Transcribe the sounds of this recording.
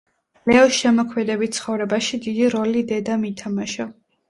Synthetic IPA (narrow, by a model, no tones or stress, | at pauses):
lɛɔsʃɛmɔkʰmɛd̪ɛbit̪t̪sʰχɔvɾɛbaʃid̪id̪iɾɔlid̪ɛd̪amit̪ʰamaʃɔ